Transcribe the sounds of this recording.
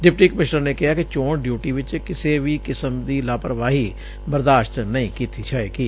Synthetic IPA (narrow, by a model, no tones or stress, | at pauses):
ɖɪp̚ʈiːkəmɪʃnəɾneːkɪɦaːkɪt͡ʃoːɳɖjuːʈiːʋɪt͡ʃkɪseːʋiːkɪsəmd̪iːlaːpɾəʋaːɦiː | bəɾd̪aːʃt̪nəĩːkiːt̪iːt͡ʃʰaːeːkiː